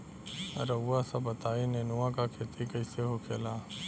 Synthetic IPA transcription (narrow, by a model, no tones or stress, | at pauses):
ə̰ɾəuːaːsabət̪aːiːnẽːnuãːkaːkʰeːt̪ʰiːkəiseːɦoːkʰeːlaː